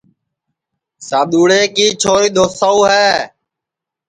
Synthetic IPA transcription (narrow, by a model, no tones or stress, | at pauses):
saːɗ̪uːɽeːkiːt͡ʃʰoːɾiːɗ̪oːsaːuːɦɛː